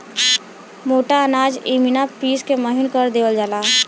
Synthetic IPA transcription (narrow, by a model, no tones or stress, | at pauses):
moːʈaənaːd͡ʒiːminapiːskeməɦɪnkəɾd̪eːʋəld͡ʒaːlaː